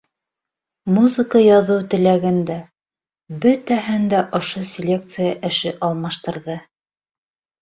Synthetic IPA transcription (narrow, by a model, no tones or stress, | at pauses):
muzɨkəjɑðɤwt̪ɘ̆læɡɘ̆nd̪æ | bɵt̪æɦɘnd̪æʔŏʃosʲɪlʲek̚t̪sɨjaʔɘ̆ʃɘʔɑlˠmɑʃt̪ɤ̆ɾðɤ